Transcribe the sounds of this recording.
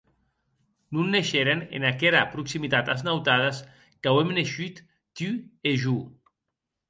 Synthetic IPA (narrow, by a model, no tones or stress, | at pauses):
nunːeʃeɾenḛnakeɾapɾuksimit̪at̪aznawt̪aðas | kawemneʃyt̪ː | yeʒu